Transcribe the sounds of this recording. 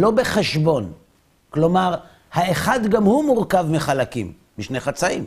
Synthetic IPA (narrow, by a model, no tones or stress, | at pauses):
lo̞be̞χeʃbo̞n | klo̞maʁ | haeχad̪ɡamhumuʁkavmiχalakḭmːiʃneχat͡saḭm